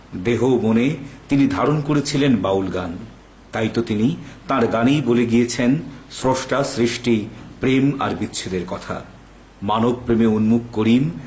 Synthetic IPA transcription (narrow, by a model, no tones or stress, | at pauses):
d̪eɦomonet̪inid̪ʱaɾonkoɾet͡ɕʰilenbawlɡan | t̪ajt̪ot̪init̪ãɾɡanijboleɡijet͡ɕʰensɾoʃʈasɾiʃʈipɾema̰ɾbitːɕʰed̪eɾkɔt̪ʰa̰ | manob̚pɾemeunmuk̚ːoɾim